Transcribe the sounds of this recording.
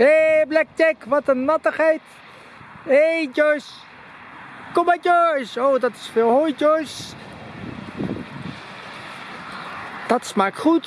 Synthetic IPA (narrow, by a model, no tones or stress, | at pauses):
eblɛk̚tɛkʋɑtənːɑtəχɛjt | ejd͡ʒɔjs | kɔmad͡ʒɔjsowdɑtɪ̥sfeːlˠɦojd͡ʒɔjs | d̥ɑtsmaːktχut